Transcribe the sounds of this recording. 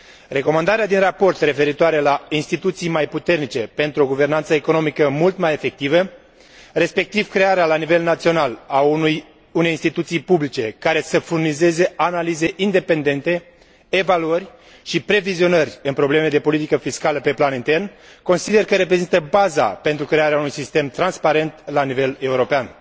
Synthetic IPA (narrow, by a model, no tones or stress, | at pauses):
re̞ko̞mand̪aɾead̪inrapo̞rt̪re̞fe̞ɾit̪oaɾe̞lainst̪it̪ut̪sijmajput̪e̞rnit͡ʃe̞pe̞nt̪ɾuo̞ɡuve̞rnant̪səeko̞no̞mikəmult̪maje̞fe̞k̚t̪ivə | re̞spe̞k̚t̪iv̥kɾe̞aɾealanive̞lnat̪sio̞nalaj | une̞jinst̪it̪ut̪sijpublit͡ʃe̞kaɾe̞səfurnize̞ze̞analize̞ʔind̪e̞pe̞nd̪e̞nt̪e̞ | evaluərʲ | ʃipɾe̞vizio̞nərʲɨnpɾo̞ble̞me̞d̪e̞po̞lit̪ikəfiskaləpe̞planint̪e̞rnko̞nsid̪e̞rkəɾe̞pɾe̞zint̪əbaza̰pe̞nt̪ɾukɾe̞aɾeaunujsist̪e̞mt̪ɾanspaɾe̞nt̪lanive̞le̞uɾo̞pean